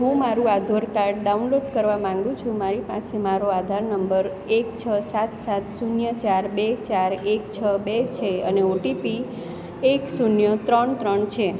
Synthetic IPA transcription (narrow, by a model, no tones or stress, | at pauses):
ɦũmaɾũad̪ʱoɾkaɾɖɖaunloɖkəɾʋamãŋɡũt͡ʃʰũmaɾipasemaɾoad̪ʱaɾnəmbəɾ | ekt͡ʃʰəsat̪sat̪sunjət͡ʃaɾbet͡ʃaɾekt͡ʃʰəbet͡ʃʰeəneoʈipi | eksunjət̪ɾəɳt̪ɾəɳt͡ʃʰe